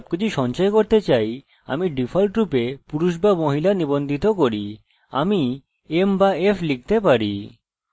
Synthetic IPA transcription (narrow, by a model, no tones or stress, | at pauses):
b̚kit͡ɕʰuʃɔnt͡ɕaekoɾt̪et͡ɕaj | a̰miɖifʰalʈɾupepuɾuʃ̬bamoɦilanibond̪ʱit̪okoɾi | a̰mi | embaefʰlik̚t̪epaɾi